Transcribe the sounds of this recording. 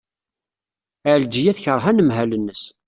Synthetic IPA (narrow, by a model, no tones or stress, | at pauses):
æʕld͡ʒijæθçəɾˤɦænəmɦælənːəs